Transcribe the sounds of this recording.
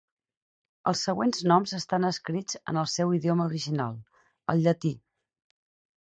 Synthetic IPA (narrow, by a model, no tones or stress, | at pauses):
ə̰lˠsːəɣwenznɔmzəst̪anəskɾid͡zə̰nəlˠsɛwiðioməuɾiʒina̰lˠ | ə̰lˠʎət̪i